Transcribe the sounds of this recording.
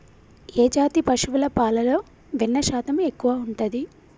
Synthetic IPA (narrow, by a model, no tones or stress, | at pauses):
eːd͡ʒaːt̪ipɐʂuʋulɐpaːlɐlo̞ː | ʋinːɐʃaːt̪ɐme̞kːuʋaːuɳʈud̪i